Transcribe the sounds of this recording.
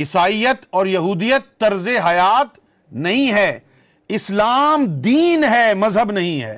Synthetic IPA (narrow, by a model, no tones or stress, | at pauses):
ɪsaːijət̪ɔːɾjɐɦuːd̪ijət̪ːɐɾzeɦɐjaːt̪ | nɐɦĩɦɛː | ɪslaːmd̪iːnɦɛːmɐzɦəbnɐɦĩɦɛ̰ː